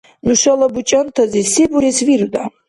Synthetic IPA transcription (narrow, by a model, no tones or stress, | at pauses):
nuʃɐlɐbut͡ʃʼɐnt̪ʰɐzisebuɾesviɾd̪a